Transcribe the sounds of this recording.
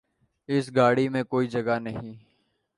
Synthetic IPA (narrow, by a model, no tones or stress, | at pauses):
ɪsɡaːɽimẽkoːid͡ʒɐɡanɐɦĩː